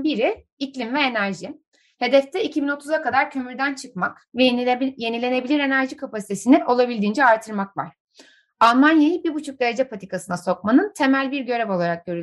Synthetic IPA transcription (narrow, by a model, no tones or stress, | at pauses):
biɾi | iclʲimvɛenæɾʒi | he̞d̪ɛft̪ʰɛicʰibino̞t̪ʰuzakad̪aɾcʰø̞myɾd̪ænt͡ʃʰɯkmak | vje̞nilʲe̞ne̞bilʲiɾe̞næɾʒikʰapasi̥t̪ʰe̞siniʔo̞lˠabilʲd̪iːnd͡ʒɛaɾt̪ʰɯɾmakva̰ɾ̥ | alˠmanjajɯbiɾbut͡ʃʰuk̚d̪e̞ɾed͡ʒɛpʰat̪ʰikasɯnaso̞k̚manɯnt̪ʰe̞mælʲbiɾɟø̞ɾɛvo̞lˠaɾak̚ɟøɾylʲ